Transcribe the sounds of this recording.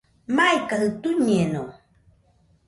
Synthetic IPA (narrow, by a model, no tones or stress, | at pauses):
majkahɯt̪uɲeno